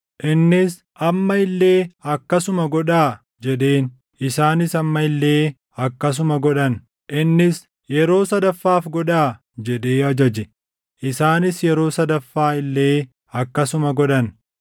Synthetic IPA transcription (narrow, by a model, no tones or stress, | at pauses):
ʔɪnːɪs | ʔɐmːɐɪlːe̞ːɐkːɐsʊmɐɡɔᶑaː | d͡ʒɛᶑe̞ːn | ɪsaːnɪsɐmːɐɪlːeː | ɐkːɐs̬ʊmɐɡɔᶑɐn | ʔɪnːɪs | jɛɾo̞ːsɐd̪ɐfːaːfɡɔᶑaː | d͡ʒɛᶑe̞ːɐd͡ʒɐd͡ʒɛ | ʔɪsaːnɪsjɛɾo̞ːsɐd̪ɐfːaːɪlːe̞ː | ɐkːɐsʊmɐɡɔᶑɐn